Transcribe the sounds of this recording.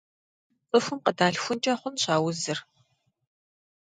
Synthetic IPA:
ʔəxʷʊmqədaːɬxʷʊnt͡ʃʼaχʷʊnɕaːwʊzɨr

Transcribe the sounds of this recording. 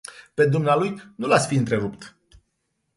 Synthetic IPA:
pe̞d̪umnealujnulat̪sʲfiɨnt̪ɾe̞ɾupt̪

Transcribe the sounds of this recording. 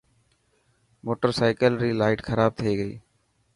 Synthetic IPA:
moːʈəɾsaːɪkəlɾiːlaːɪʈxʰəɾaːb̚t̪ʰieːɡəḭː

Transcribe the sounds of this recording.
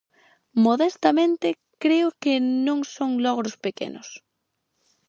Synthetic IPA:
moðɛst̪amẽnt̪ɪ | kɾeʊkɪnõŋsoŋlɔɣɾʊspekḛnʊ̰s

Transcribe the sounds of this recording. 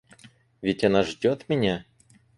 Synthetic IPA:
vʲɪtʲɐnaʐdʲot̪mʲɪnʲa

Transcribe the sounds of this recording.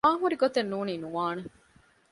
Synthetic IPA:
aːɦuɾiɡot̪enːuːniːnuʋaːne

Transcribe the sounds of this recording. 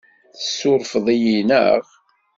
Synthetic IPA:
θəsːʊɾˤfəðˤijinə̰ʁ

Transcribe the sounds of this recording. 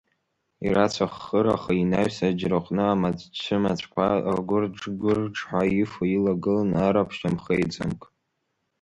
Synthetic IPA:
ḭrat͡ɕʷʰaχːəɾa̰χainaɥsad͡ʒrɨqʼnɨamad͡zʼt͡ʃʷʰɨmat͡ʃʷʼkʷʰaaɡʷʊrʈ͡ʂɡʷʊrʈ͡ʂʰʼħʷaifoilaɡɨlanaɾapʰʃamχejt͡sʼa̰mkʼ

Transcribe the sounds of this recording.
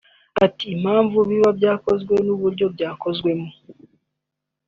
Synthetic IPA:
atiːm̥aːɱvuβiβabjaːko̞zɡwe̞nuβuɾɟo̞bɟaːko̞zɡwe̞mu

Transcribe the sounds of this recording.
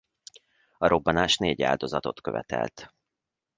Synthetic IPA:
ɒɾo̞bːɒnaːʃneːɟa̰ːld̪o̞zɒt̪o̞t̪køvɛt̪ɛ̰lt̪

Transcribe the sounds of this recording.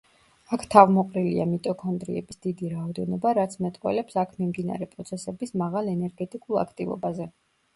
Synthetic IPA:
akʰt̪ʰavmɔqʼɾilia̰mit̪ʼɔkʰɔnd̪ɾḭɛbisd̪̥id̪iɾaɔd̪ɛnɔbaɾat̪sʰmɛt̪ʼqʼwɛ̰lɛpsakʰmimd̪ina̰ɾɛpʼɾɔt̪sʰɛsɛbismaʁalɛnɛɾɡɛt̪ʼikʼulˠa̰kʰt̪ʼivɔ̰bazɛ

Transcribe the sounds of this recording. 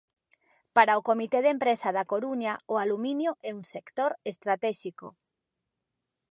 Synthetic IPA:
paɾaʊkomit̪eðempɾesɐðakoɾuɲaʊaluminjʊɛuŋsekt̪oɾest̪ɾat̪ɛʃiko̰

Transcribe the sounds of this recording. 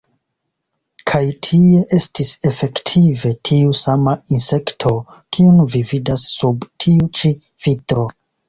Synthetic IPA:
kʰajtʰie̞ʔe̞stise̞fe̞ktʰive̞tʰiusamainse̞ktʰo̞ | kʰiunvividasːubtʰiut͡ʃi | vitɾo̞

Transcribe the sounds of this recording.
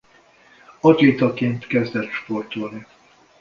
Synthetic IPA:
ɒd͡ʒeːt̪ɒkeːnt̪kɛzd̪ɛt̪ʃpo̞rt̪olni

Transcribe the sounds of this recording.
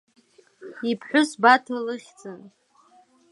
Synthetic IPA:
ipʰħʷᶣʊsbatʰalɨχʲd͡zʼɨn

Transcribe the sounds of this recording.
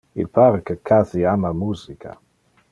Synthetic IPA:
ḭlpʰaːɾəkəkʰaziamamuːzikʰa̰

